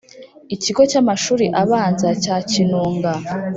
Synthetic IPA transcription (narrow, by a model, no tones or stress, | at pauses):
iciɡo̞camaʃuːɾiʔaβaːnzacaːcinuːŋɡa